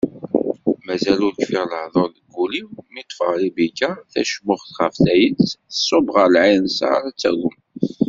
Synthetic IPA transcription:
mæzælʊɾkfiʁləhðˤoɾðəɡːuliwmit̪ˤfəʁlibikæθæ̰ʃmʊχθχəfθæjənt͡sθəsˤːobʁəɾlʕinsa̰ɾˤt͡sːæ̰ɡʊm

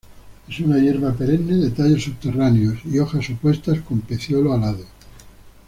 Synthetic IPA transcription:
e̞sunaʝe̞ɾβapeɾe̞nːeðet̪aʎo̞suβt̪e̞raneosio̞xasopwe̞st̪asko̞mpe̞θjoloalaðo

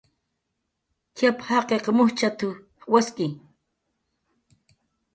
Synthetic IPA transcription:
kʰjaphaqeqmʊht͡ʃat̪u | waskʼi

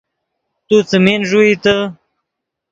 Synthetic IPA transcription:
t̪ut͡səmenʐuit̪ə

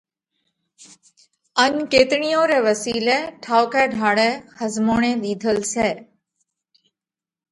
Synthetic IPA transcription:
ənkeːt̪ɳijõːɾeːʋəsiːleʈʰaːʋkɛːɖʱaːɽɛːxəzmoːɳ̃ẽːɗ̪iːd̪ʱəlsɛː

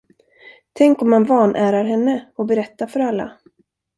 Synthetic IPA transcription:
t̪ʰɛŋkɔmːanvɑːnʔæːɾaɾɦɛnːəɔbɛɾɛt̪ːafœɾalːa̰

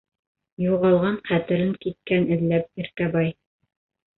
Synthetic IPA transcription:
juʁɑlˠʁɑɴχæt̪ɘ̆ɾɘŋkit̪̚kænɘ̆ðlæp̚iɾkæbɑj

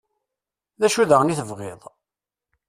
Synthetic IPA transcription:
ðæʃuðəʁniθəvʁɪðˤ

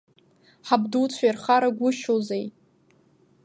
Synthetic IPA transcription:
ħabduwt͡ɕʷʰajrχaɾaɡʷʊʃozej

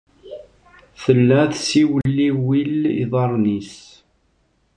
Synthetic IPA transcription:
θəlːæθsiwəlːiwiliðˤɑɾˤnis

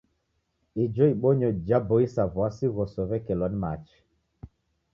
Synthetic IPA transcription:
id͡ʒɔiɓɔɲɔd͡ʒabɔisavwasiɣɔsɔvɛkɛlɔnmat͡ʃ

